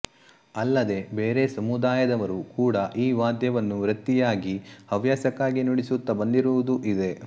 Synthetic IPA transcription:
ɐlːɐd̪e̞beːɾe̞sɐmud̪aːjɐd̪ɐʋɐɾukuːɽɐʔiːʋaːd̪jɐʋɐnːuʋɾɐt̪ːijaːɡihɐʋjaːsɐkaːɡinuɽisut̪ːɐbɐnd̪iɾuʋud̪uʔid̪e̞

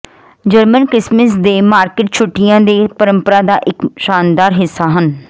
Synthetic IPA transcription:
d͡ʒəɾmənkɾɪsməsd̪eːmaːɾkɪʈ̚t͡ʃʰʊʈːijãːd̪eːpəɾə̃mpəɾaːd̪aːʔɪkʃaːnd̪aːɾɦɪsːaːɦən

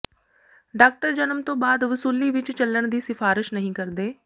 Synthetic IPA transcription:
ɖaːk̚ʈəɾd͡ʒənəmt̪õːbaːd̪ʋəsuːliːʋɪt͡ʃt͡ʃəlːəɳd̪iːsɪfʰaːɾɪʃnəɦĩːkəɾd̪eː

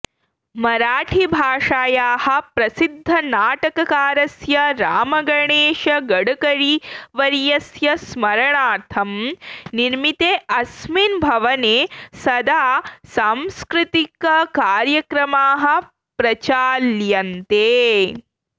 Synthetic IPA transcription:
mɐɾaːʈʰibʱaːʂaːjaːhɐ̆pɾɐsid̪ʱːɐnaːʈɐkɐkaːɾɐsjɐɾaːmɐɡɐɳeːʂɐɡɐɽɐkɐɾiʋɐɾjɐsjɐsmɐɾɐɳaːt̪ʰɐmniɾmit̪eːʔɐsminbʱɐʋɐneːsɐd̪aːsãːmskɾɪt̪ikɐkaːɾjɐkɾɐmaːɦɐ̆ | pɾɐt͡ʃaːljɐnt̪eː

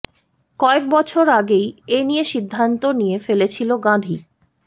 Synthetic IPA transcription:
kɔek̚bɔt͡ɕʰoɾaɡejenijeʃid̪ʱːant̪onijefelet͡ɕʰiloɡãd̪ʱi

